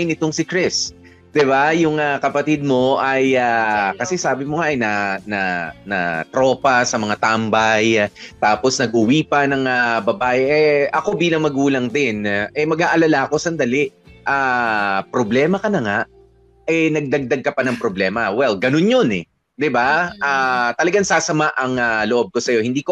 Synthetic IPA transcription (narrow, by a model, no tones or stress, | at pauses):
nɪt̪o̞ŋsɪkɾɪs | d̪̥ɪbajʊŋakɐpɐt̪id̪̚mo̞ʔɐjakɐsɛsaːbɪmoŋaʔɐjnɐanɐnɐ̰t̪ɾo̞ːpɐsɐmɐŋat̪ambɐjt̪aːpo̞snɐɡ̚ʔʊwiːpɐnɐŋabɐbaːʔɛʔɛʔɐko̞biːlɐŋmɐɡuːlɐŋd̪ɪnʔɛmɐɡʔaːʔɐlalaɐko̞sɐnd̪ɐlɪʔʔapɾoblɛːmɐkɐnɐŋaʔ | ɛnɐɡ̚d̪ɐɡ̚d̪ɐɡ̚kɐpɐnɐŋpɾoblɛːmɐwɛlɡɐnonjonɛ | d̪ɪbaʔaːt̪ɐlɐɡaŋsaːsɐmaʔɐŋaloʔo̞b̚ko̞sɐjo̞hɪnd̪iːko